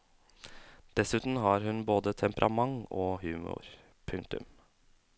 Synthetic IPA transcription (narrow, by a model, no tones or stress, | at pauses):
d̪̥ɛsʉːt̪n̩ɦɑːɾhʉnboːd̪ət̪ʰɛmpəɾʔɑ̰mɑŋoːhʉːmʊ̰ɾ | pʰʉŋkt̪ʉ̰m